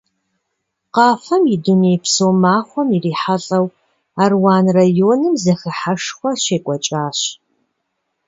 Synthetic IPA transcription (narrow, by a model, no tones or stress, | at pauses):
qɑːfɐmjiduneːpsoːmaːχʷɔmiriːħaɬʼɐw | aːrwɑːnrɐjoːnɨmzɐxəħaʂχʷɔɕeːkʷʼɔt͡ʃʼaːɕ